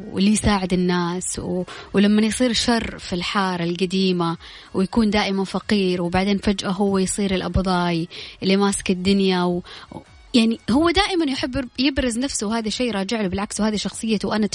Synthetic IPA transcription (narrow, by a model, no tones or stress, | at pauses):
ɪ̰lːijsaːʕɪd̪ɪnːaːswwlamːajsˤiːɾʃɑrˤfilħɑːɾˤɪlɡad̪iːma | wjakuːnd̪aːʔɪmanfaqiːɾwbaʕd̪eːnfad͡ʒʔaɦʊwːajsˤiːɾɪlʔɑ̰bðˤɑːjlːimaːsɪ̥kɪd̪ːʊnjaw | jaʕnihʊwːad̪aːʔɪmanjħɪbːjɪbɾɪznafsʊwhaːðaʃeːjɾˤɑːd͡ʒɪʕlubɪlʕakswhaːðiʃɑxsˤɨjːawʔana